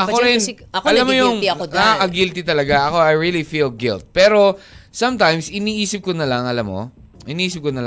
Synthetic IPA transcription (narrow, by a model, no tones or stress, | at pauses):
ʔɐkoɾɪnn | kɐlamːojʊŋɐaʔɐɡilt̪ɪt̪ɐlɐɡaʔɐko̞ajɹilifilɡɪlt̪̚pɛːɾo̞sɐ̃mt̪ajmsɪniːʔiːsɪp̚konɐlɐŋʔɐlamːo̰ | ʔɪniʔiːsɪp̚konɐl